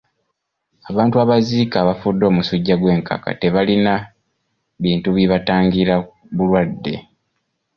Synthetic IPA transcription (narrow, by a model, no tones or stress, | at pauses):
aβaːntuaβaziːkaβafudːo̞ːmusuɟːaɡwe̞ːŋka̰ka̰teβalina | βiːntuβiβataːŋɡiɾa | βulwadːe̞̰